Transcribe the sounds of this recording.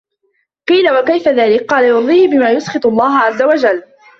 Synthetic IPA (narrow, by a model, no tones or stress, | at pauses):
qiːlawakajfaðaːlɪkqɑːlajʊɾðˤiːhɪbɪmaːjʊsqɨt̪ˤɑlˤːɑːɦaʕazːawad͡ʒalː